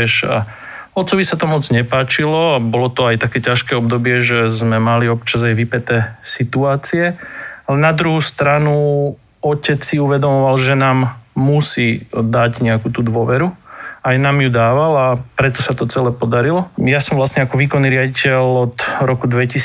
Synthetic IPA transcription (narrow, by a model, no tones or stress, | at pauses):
ɛʃa̰ | ɔt̪t͡sɔʋisat̪ɔmɔd͡zɲɛpaːt͡ʃilɔabɔlɔt̪ɔajt̪akɛːcaʃkɛɔb̚d̪ɔbɪɛʒɛzmɛmaliɔp̚t͡ʃazajʋipɛt̪ɛːsit̪uaːt͡siɛalɛnad̪ɾuɦust̪ɾanu | ɔcɛt͡ssiuʋɛd̪ɔmɔʋalʒɛnaːmːusiːd̪aɟɲɛakuːt̪uːd̪ʋɔʋɛɾuajnaːmjud̪aːʋalapɾɛt̪ɔsat̪ɔt͡sɛlɛːpɔd̪aɾilɔjasɔ̃mʋlastɲɛakɔʋiːkɔnːiːɾɪaɟicɛʎɔt̪ɾɔkud̪ʋɛcis